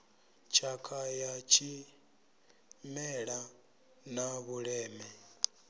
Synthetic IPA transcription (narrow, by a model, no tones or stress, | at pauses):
t͡ʃʰakʰajat͡ʃʰi | mɛɺa | naβuɺɛːmɛ